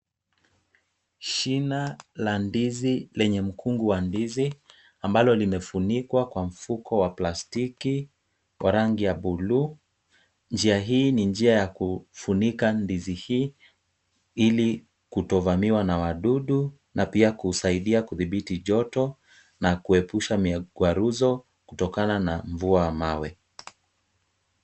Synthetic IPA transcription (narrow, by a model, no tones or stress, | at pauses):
ʃinalandizilɛɲɛm̩kʰuŋɡuwandizi | ambalɔlimɛfunikwakwam̩fukɔwaplastiki | wʔa̰ɾaŋɡijaɓulu | nd͡ʒiaɦiːniɲd͡ʒiajakufunikandizihiː | ili | kutɔvamiwanawaɗuɗu | napiakusaiɗiakuðiɓitiʄɔtɔ | nakuɛpuʃamiɡwaɾuzɔ | kutɔkananaɱvuawamawɛ